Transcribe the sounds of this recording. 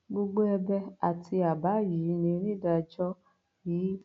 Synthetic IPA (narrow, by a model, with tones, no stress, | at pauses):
ɡ͡bo˧ɡ͡bo˦ɛ˧bɛ˧a˨tʰi˧a˨ba˨˦ji˨˦˧nẽ˧˦nĩ˦da˧˨d͡ʒɔ˦ | jiː˨˦